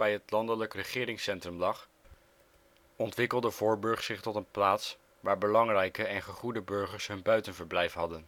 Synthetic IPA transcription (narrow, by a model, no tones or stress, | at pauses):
bɛjɦətlɑndələkrəχɪːɾɪŋsɛntrəmlɑχ | ɔntʋɪkəlˠdəvʊːɹbɵɹχsɪχtɔtənplaːts | ʋaːɹbəlɑŋrɛjkəɛnχəχudəbɵɹχəɹsɦɵnbœɥtənvəɹblɛjfɦɑdən